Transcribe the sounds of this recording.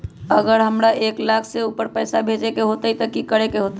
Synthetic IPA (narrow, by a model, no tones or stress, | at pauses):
əɡəɾɦəmɾaʔeklakʰseupəɾpəjsabʱed͡ʒekeɦot̪ət̪əkikəɾekeɦot̪ə